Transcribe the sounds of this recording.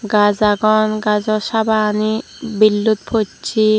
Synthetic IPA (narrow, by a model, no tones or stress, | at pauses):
ɡazaɡɔnɡazɔsabaːni | bilːut̪̚pʰot͡ʃʰi